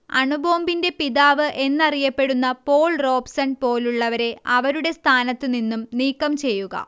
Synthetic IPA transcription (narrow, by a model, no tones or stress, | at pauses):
ɐɳubo̞ːmbinde̞piðaːʋɨʔe̞nːɐrijɐpːe̞ɽunːɐpo̞ːɭro̞ːpsɐɳɖpo̞ːluɭːɐʋɐɾe̞ɐʋɐɾuɽe̞st̪ʰaːnɐt̪ːɨninːumniːkːɐmt͡ɕe̞jːuɣɐ̰